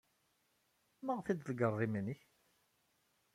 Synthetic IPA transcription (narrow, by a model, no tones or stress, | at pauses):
məʁθid̪lɡərˤːiminiç